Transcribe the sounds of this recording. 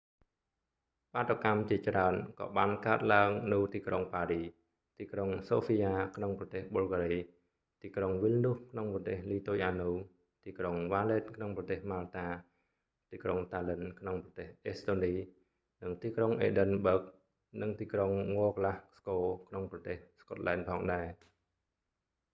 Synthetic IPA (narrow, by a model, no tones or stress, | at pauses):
paːt̪ːokamt͡ɕiət͡ɕraənkɑ̰ːɓaːnkaət̪̚laəŋnɨwt̪iːkroŋpaːriː | t̪iːkroŋsoːpʰiːjaːkʰnoŋprɑt̪eːhɓolɡaːɾiː | t̪iːkroŋʋilnuhkʰnoŋprɑt̪eːhliːt̪oːjʔaːnuː | t̪iːkroŋʋaːleːt̪̚kʰnoŋprɑt̪eːhmaːlt̪aː | t̪iːkroŋt̪aːlənkʰnoŋprɑt̪eːhʔeːst̪oːniː | nɨŋt̪iːkroŋʔḛːɗənɓəːk̚ | nɨŋt̪iːkroŋŋoəklahskoːkʰnoŋprɑt̪eːhskot̪̚laɛnpʰɑːŋɗaɛ